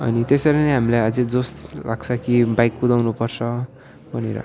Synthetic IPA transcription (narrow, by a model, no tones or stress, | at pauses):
ʌ̰nit̪eseɾʌneɦamilajad͡zed͡zost̪la̰ɡt͡sʰʌkibajkːud̪awnupʌrt͡sʰʌ | bʱʌnḛɾʌ̰